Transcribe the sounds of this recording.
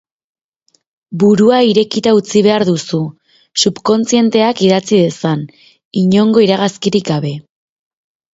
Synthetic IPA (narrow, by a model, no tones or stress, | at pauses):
buɾuaiɾe̞kit̪aut͡siβ̞e̞aɾðusu | supko̞nt͡sie̞nt̪e̞akiðat͡siðe̞san | iɲo̞ŋɡo̞iɾaɣ̞askiɾikɡaβ̞e̞